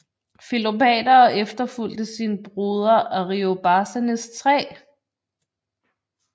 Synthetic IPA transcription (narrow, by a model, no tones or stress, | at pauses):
filo̝pʰɛ̰ːd̥ɐːʔefd̥ɐful̰d̥əsinəb̥ʁuːð̞ˠɐʔɒʁio̝b̥ɑ̈ːsænəst͡sʰʁɛ̰ː